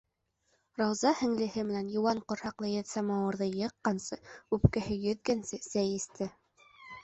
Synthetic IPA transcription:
rɑwzɑhɘ̆ŋlɘ̆hɘmɘ̆nænjŏwɑɴqŏɾhɑqlˠɤjæt̪sæmɑwɤ̆ɾðɤjɤ̆qːɑnsɤʉpkɘ̆hɘjɵ̆ðɡænsɘsæjɘ̆st̪ʰɘ

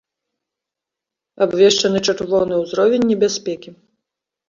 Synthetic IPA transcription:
abvʲɛʂt͡ʂɐnɨt͡ʂat̪vɔwnɨwzɾɔvʲɛnʲːɛbʲasʲpʲɛkʲi

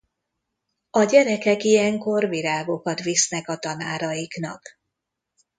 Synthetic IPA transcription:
ɒɟɛɾɛkɛkijɛŋko̞rviɾaːɡo̞kɒt̪ʋisnɛkɒt̪ɒnaːɾɒjiknɒk

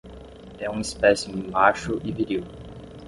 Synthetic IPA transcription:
ɛũispɛsʊɪmaʃʊʔɪviɾiw

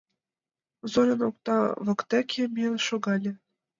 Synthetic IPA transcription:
zolʲɤ̆nok̚t̪ɑβɤ̆kt̪ækʲʰĕmʲinʃoɣɑlʲĕ

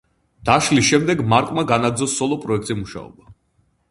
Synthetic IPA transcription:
d̪̥aʃlisʃɛmd̪ɛɡmaɾkʼmaɡanaɡɾd̪zɔsːɔlˠɔpʼɾɔɛk̚ʰt̪ʼzimuʃa̰ɔ̰ba

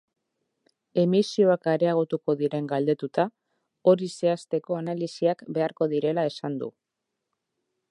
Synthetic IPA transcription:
e̞misio̞akaɾe̞aɣ̞ut̪uko̞ðiɾe̞ŋɡald̪e̞t̪ut̪a | o̞ɾise̞ast̪e̞ko̞analisiakbe̞aɾko̞ðiɾe̞lae̞sand̪ṵ

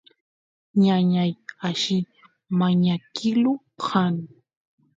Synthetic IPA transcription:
ɲaɲajaʃɪ | maɲakɪlu | han

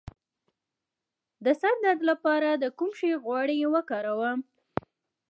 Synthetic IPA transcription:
d̪əsaɾd̪ad̪lapɑɾad̪əkumʃeɣwɑɽewəkɑɾawəm

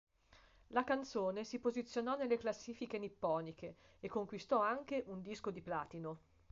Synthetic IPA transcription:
lakant̪soːnesipozit̪sːjonɔnelːeklasːiːfikenipːɔːnikeː | kːoŋkwist̪ɔaŋk̟eʔund̪iskod̪iplaːt̪ino

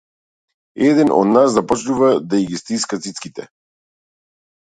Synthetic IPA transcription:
ɛd̪ɛnʔɔ̰d̪naszapɔt͡ʃnuvad̪aiɡist̪iskat̪sit̪skit̪ɛ

